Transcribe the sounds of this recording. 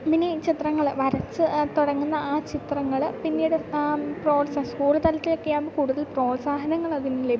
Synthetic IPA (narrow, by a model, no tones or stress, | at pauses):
minit͡ɕit̪rɐŋːɐɭʋɐɾɐt͡ɕːɨt̪oɽɐŋːunːɐaːt͡ɕit̪rɐŋːɐɭpinːiːɽɨproːɖsɐskuːrɨt̪ɐlɐt̪ːilokːejaːmbokuːɽuðɐlpro̞ːlsaːɦɐnɐŋːɐɭɐðinːɨle